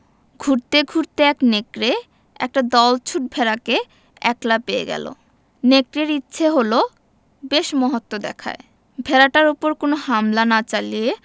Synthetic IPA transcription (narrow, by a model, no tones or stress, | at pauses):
ɡʱuɾt̪eɡʱuɾt̪eɛknekɾe | ɛ̰k̚ʈad̪ɔlt͡ɕʰuʈ̚bʱeɾake | ɛ̰klapeḛɡɛ̰lo̰ | nekɾeɾitːɕʰeɦolo | beʃmɔɦot̪ːod̪ɛ̰kʰa̰e | bʱeɾaʈaɾupoɾkonohamlanat͡ɕalije